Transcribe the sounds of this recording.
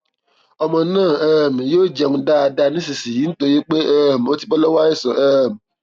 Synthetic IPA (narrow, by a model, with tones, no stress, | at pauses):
ɔ˧mɔ̃˧nãː˦˨ɛ˦˨m̃˨joː˦˨d͡ʒɛ˧ũ˧˦da˦a˧da˧nĩ˦s̬i˨si˨ji˨˦n̩˦to˧je˦k͡pe˦ɛ˦˨m̩˨o˦ti˦k͡pɔ˦lɔ˦wa˦ɛ˦˨sɔ˨ʔɛ˦m̩˨